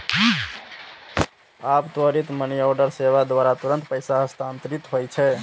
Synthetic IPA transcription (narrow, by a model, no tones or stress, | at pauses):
abt̪wəɾit̪məniɔɖəɾseʋad̪waɾat̪uɾənt̪pəjsaɦəst̪ʰant̪ɾit̪ɦojt͡ʃʰɛ